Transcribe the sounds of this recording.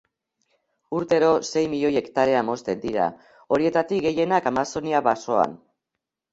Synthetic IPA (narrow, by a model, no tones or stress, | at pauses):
uɾt̪e̞ɾo̞se̞jmiʎo̞je̞kt̪aɾe̞amo̞st̪e̞nd̪iɾa̰ | o̞ɾie̞t̪at̪ik̚ɡe̞je̞nakamaso̞niaβaso̞a̰n